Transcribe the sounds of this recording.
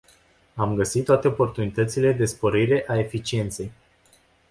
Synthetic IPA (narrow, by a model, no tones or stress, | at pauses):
amɡəsit̪ːwat̪e̞o̞po̞rt̪unit̪ət̪sile̞d̪e̞spo̞ɾiɾe̞ʔae̞fit͡ʃie̞nt̪se̞j